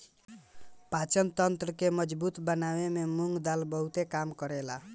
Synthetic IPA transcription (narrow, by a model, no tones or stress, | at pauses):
pat͡ʃənt̪ənt̪ɾəkeməd͡ʒbut̪bənawememuŋɡd̪albəɦut̪ekamkəɾela